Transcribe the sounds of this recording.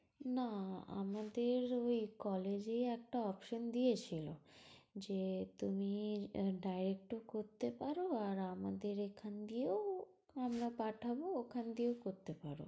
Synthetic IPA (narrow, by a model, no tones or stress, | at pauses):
naa̰mad̪eɾojkɔled͡ʑeɛk̚ʈaɔpʃond̪ijet͡ɕʰilod͡ʑet̪umiɖajɾek̚ʈokoɾt̪epaɾoaɾamad̪eɾekʰand̪ieo | amɾapaʈʰabookʰand̪iewkoɾt̪epaɾo̰